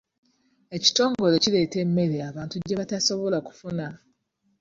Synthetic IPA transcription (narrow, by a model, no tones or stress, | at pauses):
e̞ci̥to̞ːŋɡo̞le̞cile̞ːte̞mːe̞ɾeaβaːntuɟeβataso̞βo̞laku̥funa